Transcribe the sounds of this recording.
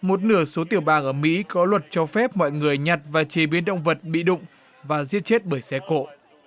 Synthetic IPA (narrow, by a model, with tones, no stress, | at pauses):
mo˨˩t̚nɨ˧˩əso˨˦t̪i˧˩əwɓaː˨˩ŋʔəː˧˩mḭ˧˥kɔ˨˦lwə˨˩t̚t͡ɕɔ˧fɛ˦˥p̚mɔ̰˧˨jŋɨ˨˩əjɲa˨˩t̚vaː˨˩t͡ɕe˨˩ɓi˨˦ənɗə̰˧˨wŋ͡mvə˨˩t̚ɓḭ˧˨ɗʊ̰˧˨ŋ͡m | vaː˨˩zḭ˧˥ət̚t͡ɕe˦˥t̚ɓəː˧˩jsɛ˧ko̰˧˨